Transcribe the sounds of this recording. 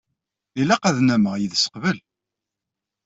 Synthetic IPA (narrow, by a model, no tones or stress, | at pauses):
ilæqæðnæməʁjəðsə̥qvəl